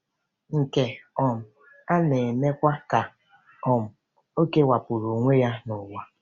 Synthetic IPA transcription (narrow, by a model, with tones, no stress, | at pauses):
ŋ̩˨ke˨ɔ˨m̩˨ | a˦ne˨me˦kʷa˦ka˨ | ɔ˨m̩˨ | o˦ke˦wa˨pʊ˨ɾo˨ŋʷe˦ja˦nʊ˨wa˦